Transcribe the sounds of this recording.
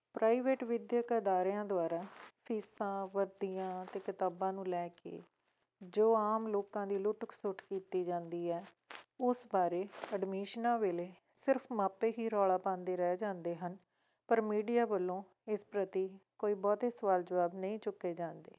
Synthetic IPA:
pɾaːiːʋeːʈʋɪd̪jkəd̪aːɾjãːd̪ʊaːɾaːpʰiːsãːʋəɾd̪iːãːt̪eːkət̪aːbãːnũːlɛːkḛː | d͡ʒoːaːmloːkãːd̪iːlʊʈksʊʈkiːt̪iːd͡ʒãːnd̪iːɛː | ʊsbaːɾeːəɖmiːʃnãːʋeːleː | sɪɾpʰmaːpeːɦiːɾɔːɭaːpãːnd̪eːɾɛd͡ʒãːnd̪eːɦən | pəɾmiːɖijaːbəlːõː | ɪspɾət̪iːkoːiːbɔːt̪eːsəʋaːld͡ʒəʋaːbnəĩːt͡ʃʊkːeːd͡ʒãːnd̪ḛː

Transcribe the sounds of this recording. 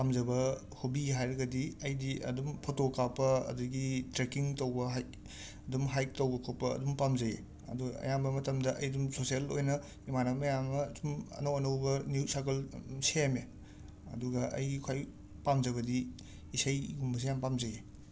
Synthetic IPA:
pamzɐbɐ | hubiɦajɾɐɡɐdiɐjdiʔɐ̰dumpʰotokapɐɐ̰duɡitɾekiŋtowbɐɦaj | dumɦajk̚towbɐkʰopːɐɐ̰dumpamzɐjḛ | ɐ̰duɡɐ̰jambɐmɐtɐmdɐʔɐjdumsosielojnɐ | imanɐmɐjamɐtumɐ̰nɐwɐnɐwbɐnjusakelseame | ɐ̰duɡɐʔɐ̰jɡikʰwaj | pamd͡ʒɐβɐdi | isɐjɡumbɐs̬ijampamzɐje

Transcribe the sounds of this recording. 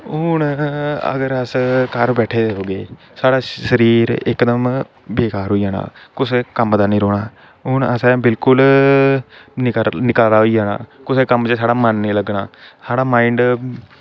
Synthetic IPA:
ʊnə̰ɡəɾəskəɾbɛːʈʰeːd̪eɦoːɡeː | saːɽaːʃəɾiːɾɪ̰kd̪əm | beːkaːɾɦoːiːaːna̰ːkʊskəmd̪aːnĩːɾoːɽaː | ʊnəsɛ̃ːbɪlkʊl | nnɪkaːlaːɦoiːaːna̰ːkʊseːkəmt͡ʃəsaːɽaːmənːiːləɡnaːsaːɽaːmaːɪɳɖ

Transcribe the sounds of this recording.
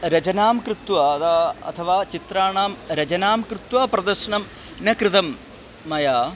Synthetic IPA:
ɾɐt͡ʃɐnaːmkɾɨt̪ʋɐt̪aɐ̰t̪ʰɐʋaːt͡ʃit̪ɾaːɳaːmɾɐd͡ʒɐnaːmkɾɨt̪ʋɐpɾɐd̪ɐɾʂɐɳɐm | nɐkɾɨt̪ɐmː | ɐjaː

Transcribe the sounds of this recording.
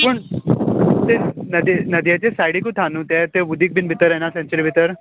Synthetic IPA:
pəɳ | t̪enəd̪enəd̪jat͡ɕesajɽikut̪ʰanũt̪et̪eʋud̪ʱiːk̚bʱinbʱit̪əɾjenasẽnt͡ɕəɾibʱit̪əɾ

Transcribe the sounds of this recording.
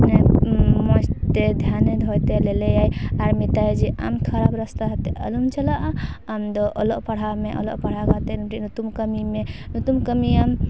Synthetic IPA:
nemɔst̪ed̪ʱjaned̪ʱɔt̪elelejajaɾmit̪aed͡ʒiʔa̰mkʰəɾabɾəst̪aɦt̪eʔə̰lumt͡ʃʰəlaʔamd̪ɔʔoloʔpəɽ̤ameʔɔ̰lo̰ʔpəɽ̤akat̪enuʈinut̪umkəmimenut̪umkəmijam

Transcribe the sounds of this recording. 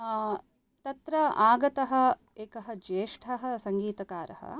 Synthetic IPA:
t̪ɐt̪ɾɐaːɡɐt̪ɐɦɐ̆ | eːkɐɦɐd͡ʒeːʂʈʰɐɦɐ̆sɐŋɡiːt̪ɐkaːɾɐ̰hɐ̰

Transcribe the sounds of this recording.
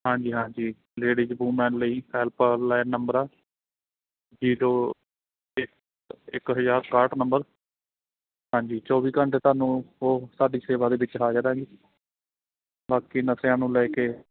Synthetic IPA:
ɦãːɲd͡ʒiːɦãːɲd͡ʒiː | leːɽiːd͡ʒbuːmɛ̃ːnləiːɛːlpəlɛːnnːəmbəɾaː | d͡ʒiːɾoː | ɪk | ɪkɦəzaːɾkaːɾʈnəmbəɾ | ɦãːɲd͡ʒiːt͡ʃɔːʋiːkəɳʈt̪oaːnũːoːsaːɖiːseːʋaːd̪eːʋɪt͡ʃɦaːd͡ʒaːɾɦɛ̃ːɡiː | baːkiːnəsjãːnũːlɛːkeː

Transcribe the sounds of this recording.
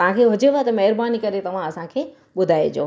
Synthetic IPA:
ɐʋ̤ãkʰeɦʊd͡ʑeʋat̪ɐmɐɦəɾbaːnikɐɾet̪ɐʋ̤ãɐsãkʰeː | ɓʊd̪ʱaːed͡ʑo̰ː

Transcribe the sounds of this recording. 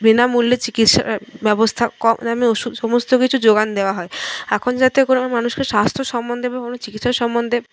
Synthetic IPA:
binamulːet͡ɕikit̪ʃa̰ɾbɛbost̪ʰakɔamioʃud̪ʃomost̪okit͡ɕʰud͡ʑoɡand̪eoaɦɔeɛkʰond͡ʑat̪ekonomanuʃkeʃast̪ʰɾoʃɔmːond̪ʱebakonot͡ɕikit̪ʃaɾʃɔmːond̪ʱe

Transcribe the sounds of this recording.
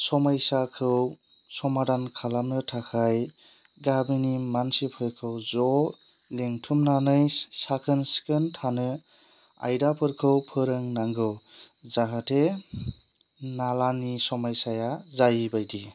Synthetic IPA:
sɔmajsakʰɯw | sɔmadankʰalamnɯtʰakʰaj | ɡabinimansipʰɯɾkʰɯwzɔ | leŋtʰumnanɯjsakʰɯnskɯntʰanɯ | a̰jdapʰɯɾkʰɯwpʰɯɾɯŋnaŋɡɯwzaɦatʰe | nalanisɔmajsajazajibajdi

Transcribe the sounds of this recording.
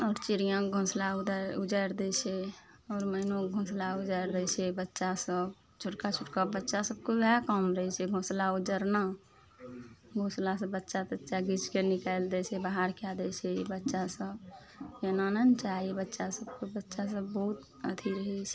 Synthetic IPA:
ɔːɾt͡ʃiɾijãɡʱõːslaud̪aʊd͡ʒəɾd̪ɛt͡ʃʰɛ | ɔːɾmənõɡʱõːslaud͡ʒəɾd̪ɛt͡ʃʰɛbətːʃasəb | t͡ʃʰʊʈkat͡ʃʰʊʈkəbətːʃasəb̚kobɛkamɾəɦɛt͡ʃʰɛɡʱõːslaud͡ʒəɾna | ɡʱõːslas̬əbətːʃat̪ətːʃaɡit͡ʃkenikaeld̪ɛt͡ʃʰɛbaɦaɾkead̪ɛt͡ʃʰɛbətːʃasəb | jenanənt͡ʃaːibətːʃasəbkobətːʃas̬əbːɔut̪ | ət̪ʰiɾəɦɛt͡ʃʰɛ̥

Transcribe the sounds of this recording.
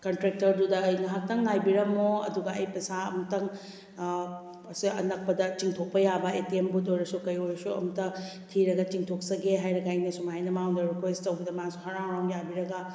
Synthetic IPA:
kɐntɾek̚tɐɾdudɐjŋaɦak̚tɐŋnajbiɾɐmoɐ̰duɡɐɐjpɐsaɐmɐtɐŋ | ɐsiɐ̰nɐk̚pɐdɐt͡ʃiŋtʰok̚pɐjabɐetiembut̬ojɾɐsukɐjojɾɐsuɐ̰mɐtɐtʰiɾɐɡɐt͡ʃiŋtʰoksɐɡeɦajɾɐɡaɐjnɐsumajnɐmawndɐɾikwesttɐwbɐdɐmasuɦɐɾaŋɾawnjabiɾɐɡɐ

